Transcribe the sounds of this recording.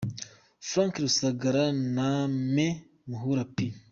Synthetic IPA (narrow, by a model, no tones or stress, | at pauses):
fɾãŋkɾusaɡaɾaname | muɦuɾapi